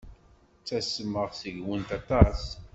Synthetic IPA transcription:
t͡sːæsəməʁsəʝwənt̪ɑt̪ɑs

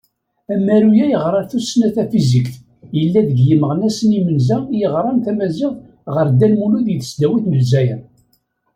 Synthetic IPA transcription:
æmːæɾujæjəʁɾˤɑɾθusnæθæfizikθ | jəlːæðəɡjəməʁnæsənimənzæjəʁɾˤɑnθæmæzæð | ʁəɾd̪ælmuluðjəθəsd̪æwiθməlzæjən

